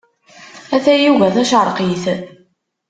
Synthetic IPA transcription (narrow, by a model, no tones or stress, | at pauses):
æθæjivæθæʃəɾˤqiθ